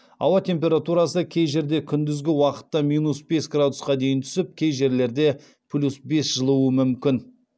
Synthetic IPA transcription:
ɑ̰wɑt̪ʰʲe̞mp̬ʲe̞ɾat̪uɾɑsəkʲʰe̞jʒe̞ɾd̪e̞kʲʰʏnd̪ɪzɡʲɪwɑqə̥t̪ːɑmijnusbe̞sɡrad̪ʊsqɑd̪e̞jɪnt̪ʰʏ̥sɪp̚kʲʰe̞jʒe̞ɾle̞ɾd̪e̞ | pʰlʲusbe̞sʒ̥əlˠuwəmʏmkʲɪn

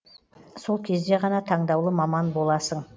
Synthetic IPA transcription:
so̞lˠkʲʰe̞zd̪e̞ʁɑnɑt̪ʰɑɴd̪ɑwlˠəmɑmɑnbo̞lˠɑsəɴ

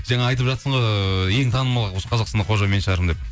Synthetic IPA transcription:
ʒɑɴɑɑjt̪̬əpʒɑt̪səɴʁɑje̞ŋt̪ʰɑnəmɑlˠəwosə̥qʰɑzɑqsɑnəqʰo̞ʒɑme̞nʃəʁɑɾəmd̪e̞p

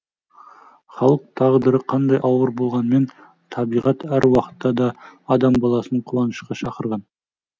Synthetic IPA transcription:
χɑlˠəq̚t̪ʰɑʁd̪əɾəqʰɑnd̪ɑjʔɑwəɾbo̞lˠʁɑnme̞n | t̪ʰɑbijʁɑt̪æɾwɑqə̥t̪ːɑd̪ɑːd̪ɑmbɑlˠɑsənəɴqʰulˠɑnəʃqɑʃɑqəɾʁɑn

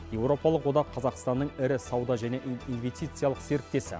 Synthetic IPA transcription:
je̞wro̞pɑlˠəqwo̞d̪ɑqʰːɑzɑqst̪ɑnːəɴɪɾɪsɑwd̪ɑʒæne̞ʔinvʲe̞st̪ijt̪sɨjɑlˠəqse̞ɾɪk̚t̪e̞sɪ̰

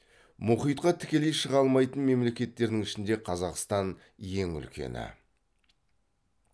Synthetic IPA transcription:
mʊχijt̪qɑt̪ʰɪ̥kʲe̞lejʃəʁɑlˠmɑjt̪ənme̞mle̞kʲe̞t̪ːe̞ɾd̪ɪŋɪʃɪnd̪e̞qʰɑzɑqst̪ɑn | je̞ŋʏ̰lkʲe̞̰nɪ̰

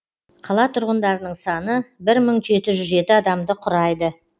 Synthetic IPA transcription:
qʰɑlˠɑt̪ʰʊɾʁənd̪ɑɾənəɴsɑnəbɪɾməɴʒe̞t̪ɪʒʏzʒe̞t̪ɪɑd̪ɑmd̪əqʰʊɾɑjd̪ə

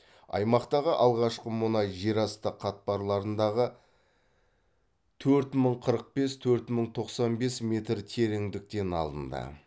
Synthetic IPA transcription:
ɑ̰jmɑqt̪ɑʁəʔɑlˠʁɑʃqəmʊnɑjʒe̞ɾɑst̪əqʰɑt̪̚pɑɾlˠɑɾənd̪ɑʁə | t̪ʰɵɾt̪məɴqʰəɾəq̚be̞st̪ʰɵɾt̪məɴt̪ʰo̞qsɑnbe̞sme̞t̪ɾt̪ʰe̞ɾɪŋd̪ɪk̚t̪e̞nɑ̰lˠd̪ə̰nd̪ə̰

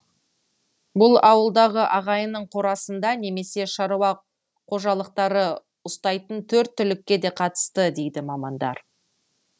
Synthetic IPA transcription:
bʊlˠɑwəlˠd̪ɑʁəʔɑʁɑjənəɴqʰo̞ɾɑsənd̪ɑne̞me̞se̞ʃɑɾuwɑ | qʰo̞ʒɑlˠəq̚t̪ɑɾə | ʊst̪ɑjt̪ənt̪ʰɵɾt̪ʰːʏlɪkʲːe̞d̪e̞qʰɑt̪ə̥st̪əd̪e̞jd̪ɪmɑmɑnd̪ɑ̰ɾ

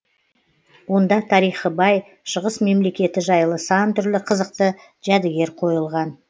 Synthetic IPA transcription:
wo̞nd̪ɑt̪ʰɑɾijχəbɑj | ʃəʁəsme̞mle̞kʲe̞t̪ɪʒɑjlˠəsɑnt̪ʰʏɾlɪqʰəzəqt̪ə | ʒ̥æd̪ɪɡʲe̞ɾqʰo̞jəlˠʁɑn

